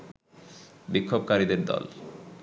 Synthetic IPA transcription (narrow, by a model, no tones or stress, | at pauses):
bikʰːobkaɾid̪eɾd̪ɔ̰l